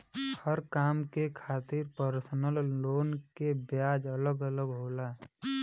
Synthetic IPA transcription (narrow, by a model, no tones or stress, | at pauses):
həɾkaːmkekʰaːt̪ɪɾpəɾsnəlːoːnkebjaːd͡ʒələɡələɡɦoːla